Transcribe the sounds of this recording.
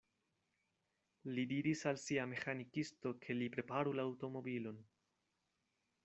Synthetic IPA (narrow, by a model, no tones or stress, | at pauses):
lidiɾisalsiame̞xanikisto̞kʰe̞lipɾe̞paɾulaːwto̞mo̞bilo̞n